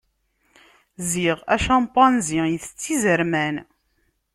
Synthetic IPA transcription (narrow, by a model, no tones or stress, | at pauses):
ziʁæʃɑmt̪ˤːɑnzijθə̥t͡sːizəɾmæn